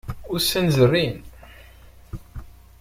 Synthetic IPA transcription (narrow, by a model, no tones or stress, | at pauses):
ʊɾsənzərːin